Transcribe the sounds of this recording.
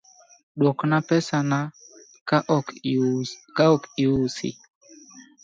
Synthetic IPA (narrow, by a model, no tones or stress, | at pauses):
ɗwɔknapɛsana | k | kaɔkiwusḭ